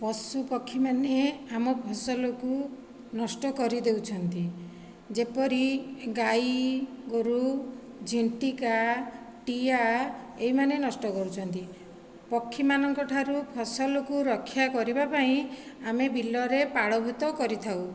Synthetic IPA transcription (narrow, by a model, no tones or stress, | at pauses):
pɔsupɔkʰːimaneamɔpʰɔsɔlɔku | nɔsʈɔkɔɾid̪ewt͡ʃʰɔnt̪i | d͡ʒepɔɾiɡajɡoɾu | d͡ʒʱiɳʈika | ʈia | eɦimanenɔsʈɔkɔɾut͡ʃʰɔnt̪i | pɔkʰːimanɔŋkɔʈʰaɾupʰɔsɔlɔkuɾɔkʰːjakɔɾibapaĩamebʱilːɔɾepaɭɔbʱut̪ɔkɔɾit̪ʰaw